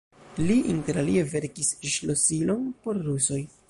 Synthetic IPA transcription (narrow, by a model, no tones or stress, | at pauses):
liʔinte̞ɾalie̞ve̞ɾkisʃlosilo̞npo̞ɾːuso̞j